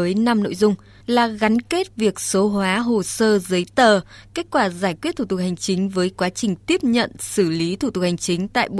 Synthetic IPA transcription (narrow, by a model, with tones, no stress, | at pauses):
əː˨˦jna˧mno̰˧˨jzʊ˧ŋ͡m | laː˨˩ɣa˨˦nke˦˥t̚vi˨˩ək̚so˨˦ɦwaː˨˦ɦo˨˩səː˧zə˨˦jt̪əː˨˩ke˦˥t̚kwaː˧˩zaː˧˩jkwi˦˥ət̪̚ʰu˧˨˩t̪̚ha˨˩jŋ̟t͡ɕï˨˦ŋ̟vəː˨˦jkwaː˨˦t͡ɕï˨˩ŋ̟t̪i˦˥əp̚ɲə̰˧˨nsɨ˧˩li˨˦t̪ʰu˧˩t̪ʊ˨˩ha˨˩ŋ̟t͡ɕï˨˦ŋ̟t̪a̰ː˧˨jo̰˧